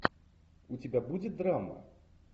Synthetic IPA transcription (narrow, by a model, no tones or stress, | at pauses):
ut͡sʲabʲabud͡zʲɛd̪ɾamɐ̰